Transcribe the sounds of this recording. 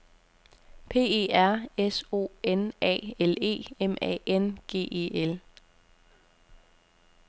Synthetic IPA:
pʰe̝̰ːe̝̰ːæɐ̰eso̝̰ːenɛ̰ːele̝̰ːemɛ̰enɡ̥e̝̰ːe̝̰ːel

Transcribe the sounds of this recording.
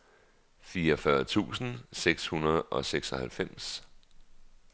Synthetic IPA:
fiːɒfɶɐt͡sʰṵːsn̩seɡ̥shunɐð̞ˠɒ̽seɡ̥sɒ̽hælfem̰s

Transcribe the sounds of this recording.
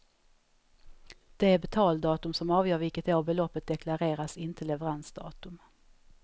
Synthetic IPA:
d̪̥ɛæɾbɛt̪ʰɑːld̪ɑːt̪ɵmsɔmɑːvjœːɾvɪlkət̪oːɾbɛlɔpːət̪̚d̪ɛklaɾeːɾasɪnt̪ʰəlɛvɛɾansd̪ɑ̰ːt̪ɵm

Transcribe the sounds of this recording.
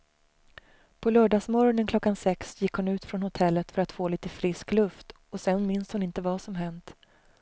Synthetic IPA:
pʰɔlœːɖɑːsmɔɾɔnənkʰlɔkːansɛksjɪkːhʊnʉ̟ːt̪fɾɔnhʊt̪ʰɛlːət̪fœɾat̪foːliːt̪əfɾɪsklɵft̪ | ɔsɛnmɪnshʊnɪnt̪əvasɔmɦɛnt̪

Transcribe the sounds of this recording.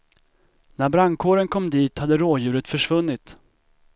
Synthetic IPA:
næɾbɾaŋkʰoːɾənkʰɔmːd̪iːt̪had̪ːəɾoːjʉ̟ːɾət̪fœʂvɵnːɪt̪

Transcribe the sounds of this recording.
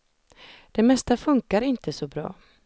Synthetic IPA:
d̪̥ɛmɛst̪afɵŋkaɾɪnt̪ʰəsɔbɾɑ̰ː

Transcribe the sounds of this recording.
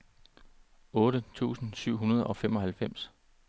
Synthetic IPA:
ɔ̽ːɾ̥ət͡sʰṵːsn̩syʊ̰ɦunɐð̞ˠʔɒ̽femɒ̽hælfem̰s

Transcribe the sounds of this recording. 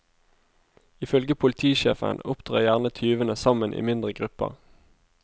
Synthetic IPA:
ɪfœlɡəpʰʊlɪt̪ʰiːʃeːfə̰nʊpt̪ʰʁɑːʁjæʁnət̪ʰyːʋənəsɑmənʔḭːmɪnd̪ʁəɡʁʉpə̰ʁ

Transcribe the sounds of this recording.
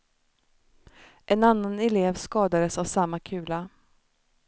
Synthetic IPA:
ʔɛnanːanɛleːvskɑːd̪ad̪əsavsamːakʰʉ̟ːla

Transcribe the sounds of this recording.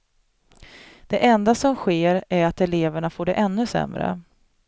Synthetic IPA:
d̪̥ɛʔɛnd̪asɔmɧeːɾæɾat̪ɛleːvəɳafoːɖɛʔɛnːɵsɛ̰mɾə̰

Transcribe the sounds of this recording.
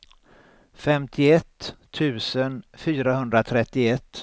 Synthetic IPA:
fɛmt̪ʰɪɛt̪ʰːʉ̟ːsənfyːɾaɦɵnd̪ɾat̪ʰɾɛt̪ːɪɛt̪ː

